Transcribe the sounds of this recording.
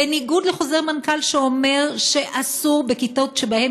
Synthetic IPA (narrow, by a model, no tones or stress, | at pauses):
eniɡudleχo̞zeʁmankalʃeo̞me̞ʁʃe̞ʔasuʁbekitotʃebahem